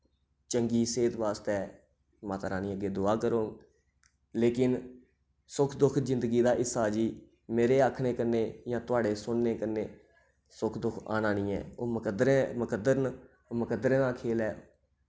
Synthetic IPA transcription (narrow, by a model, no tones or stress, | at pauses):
t͡ʃəŋɡiːseːt̪ʋaːst̪ɛː | maːt̪aːɾãːnĩːəɡːeːd̪ʊaːkəɾoːɡ | leːkɪn | sʊkʰd̪ʊkʰzɪnd̪əɡiːd̪aːʔɪsaːd͡ʒiː | meːɾeːaːkʰɽeːkəɾneːjãːt̪ʊaːɖeːsʊnːeːkəɾneː | sʊkʰd̪ʊkʰa̰ːnãːnĩːɛ̰ːoːməkd̪ɾeməkəd̪əɾn | məkəd̪əɾẽːnaːkʰeːlɛː